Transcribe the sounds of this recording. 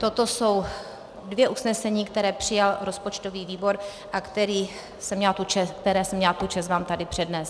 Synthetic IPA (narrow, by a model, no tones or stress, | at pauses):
t̪o̞t̪oso̞w | dvjɛʔusnɛsɛɲiːkt̪ɛɾɛːpr̝̥ɪjalɾo̞spo̞t͡ʃt̪o̞viːviːbo̞ɾ | ʔakt̪ɛɾiː | sɛmɲɛlt̪ut͡ʃɛkt̪ɛɾɛːsɛmːɲɛlt̪ut͡ʃas̬vaːmt̪adɪpr̝̥ɛdnɛs